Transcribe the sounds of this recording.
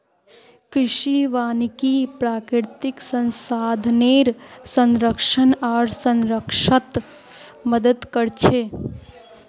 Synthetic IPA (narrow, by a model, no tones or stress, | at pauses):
kɾɪʃiʋaːnikipɾaːkɾɪɾt̪ɪksə̃nsaːd̪ʱneːɾsə̃nɾəkʃənaːɾsə̃nɾəkʃət̪ | məd̪əd̪kəɾt͡ʃʰeː